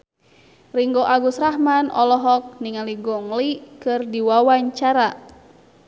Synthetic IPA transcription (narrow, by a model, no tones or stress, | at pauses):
riŋɡoʔaɡusɾahmanɔlɔɦɔk̚niŋaliɡɔŋlikɨrdiwawaɲt͡ʃaɾa